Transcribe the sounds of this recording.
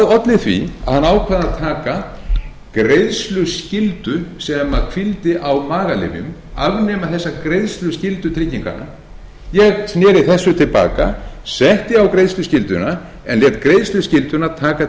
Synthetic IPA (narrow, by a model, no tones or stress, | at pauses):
ðɔt̪lɪθvḭa̰ðhanːaːwkʰvaðaðt̪ʰaːka | kɾejðslʏscɪlt̪ʏsɛmakʰvɪlt̪ɪʔawmaːɣalɪ̰mjʏ̰m | a̰vnɛmaθɛsːakɾejðslʏscɪlt̪ʏt̪ʰɾɪcːiŋka̰na̰ | jɛɣsnɛːɾɪθɛsːʏt̪ʰɪlpa̰ːka̰sɛht̪ɪawkɾejðslʏscɪlt̪ʏna | ɛ̰nljɛːt̪kɾejðslʏscɪlt̪ʏnat̪ʰaːka